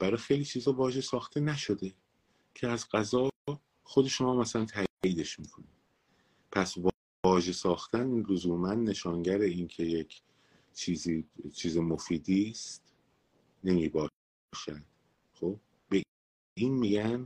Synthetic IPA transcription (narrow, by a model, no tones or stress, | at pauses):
b̥æɾɒːjxejliːt͡ʃʰiːzhɒːvɒːʒe̞sɒːxt̪ʰe̞næʃo̞d̪e̞ | cʰeæzɢæzɒː | xo̞d̪e̞ʃo̞mɒːmæsælænt̪ʰæiːd̪e̞ʃmiːkʰoni | pʰæsv | ɒːʒe̞sɒːxt̪ænlozuːmænːe̞ʃɒːnɟæɾeiːncʰe̞je̞cʰ | t͡ʃʰiːziːt͡ʃʰiːzemo̞fiːd̪iːst̪ | ne̞miːbɒː | ʃæd̪̥ | xob̚ | be | iːnmiːɟæn